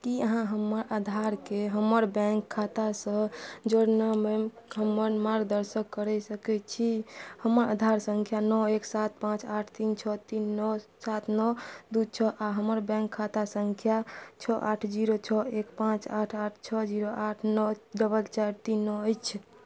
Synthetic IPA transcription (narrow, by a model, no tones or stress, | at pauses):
kiəɦãɦəmːəɾad̪ʱaɾkeɦəməɾbɛ̃ŋkʰːat̪asə̃d͡ʒəɽnəmemɦəmːəɾmaɾɡd̪əɾsəkːəɾɛsəkɛt͡ʃʰihəməɾa̰d̪ʱaɾsəŋkʰjanɔeksat̪̚pãt͡ʃaʈʰt̪int͡ʃʰɔt̪inːɔsat̪ʰnɔd̪ut͡ʃʰɔʔaɦəməɾbɛ̃ŋkʰːat̪asəŋkʰjat͡ʃʰɔʔaʈʰd͡ʒiɾot͡ʃʰɔekpãt͡ʃaʈʰaʈʰt͡ʃʰɔd͡ʒiɾoʔaʈʰnɔɖəbəlt͡ʃaɾt̪inːɔəjt͡ʃʰ